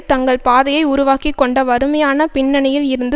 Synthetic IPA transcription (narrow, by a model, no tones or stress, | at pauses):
t̪ɐŋɡɐɭpaːðɐjɐɪʊɾʊʋaːkikːɔɳɖɐʋɐɾɯmɐjaːnɐpɪnːɐnɐjɪlɪɾɯnd̪